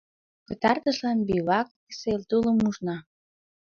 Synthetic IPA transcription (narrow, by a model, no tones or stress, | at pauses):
pət̪ɑrt̪əʃlɑnbiβɑk | selt̪uləmːuʒnɑ